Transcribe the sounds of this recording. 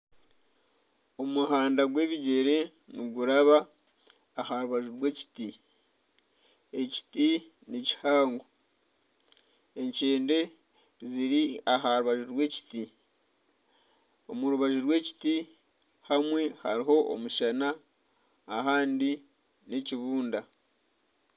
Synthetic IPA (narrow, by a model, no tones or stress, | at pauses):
o̞muɦaːndaɡwe̞ːβiɟe̞ɾe̞ | niɡuɾaβaː | haɾuβaʒuɾwe̞ːci̥ti | e̞ci̥ti | nici̥haːŋɡo | e̞ɲceːnde̞ | ziɾiaɦaɾuβaʒuɾwe̞ːci̥ti | o̞muɾuβaʒuɾwe̞ːci̥ti | hamwe̞ha̰ɾiɦo̞ʔo̰muʃanaː | ɦaːndi | neciβuːnda